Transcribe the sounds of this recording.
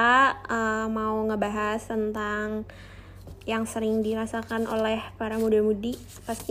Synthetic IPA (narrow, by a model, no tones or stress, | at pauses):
aəmauŋəbaɦast̪ənt̪aŋ | jaŋsəɾɪŋdiɾasakanʔo̰lɛhpaɾamudalmudi | past̪i